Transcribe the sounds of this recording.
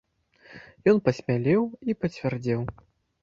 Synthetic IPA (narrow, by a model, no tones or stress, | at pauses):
jɔnpɐsʲmʲalʲɛwipɐt͡sʲvʲard͡zʲɛw